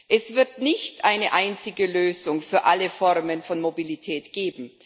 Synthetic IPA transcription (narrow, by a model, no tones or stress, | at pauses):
ʔɛsv̥ɪɐtnɪçtʔaɪnəʔaɪnt͡sɪɡəløːzʊŋfyːɐʔaləfɔʁmənfɔnmobilitʰɛːtɡ̥eːbm̩